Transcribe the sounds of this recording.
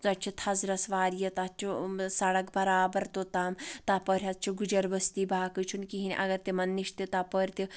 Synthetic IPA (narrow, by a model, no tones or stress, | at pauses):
zɐt͡ʃʰit̪ʰɐzɾɐsʋaːɾjɐt̪ɐt͡ʃʰisɐɽɐkbɐɾaːbɐɾt̪ot̪aːmt̪apəːɾʲɐt̪̚t͡ʃʰiɡud͡ʒɐɾbɐst̪iːbaːkɨt͡ʃʰunkiɦinʲʔɐ̰ɡɐɾt̪imɐnːiʃt̪it̪aːpəːɾʲt̪i